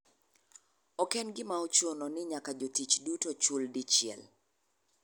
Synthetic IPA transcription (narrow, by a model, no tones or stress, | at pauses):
ɔkɛnɡɪmaɔt͡ʃonɔnɪɲakad͡ʒotit͡ʃdutot͡ʃuldit͡ʃɪɛ̰l